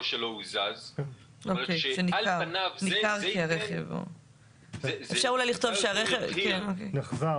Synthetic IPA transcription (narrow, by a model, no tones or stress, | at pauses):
ʃelouzazk | okejʃeniklaʁnanikaʁkiaʁeχevo̰ | efʃaʁulajliχt̪o̞vʃeaʁeχevkenokejneχza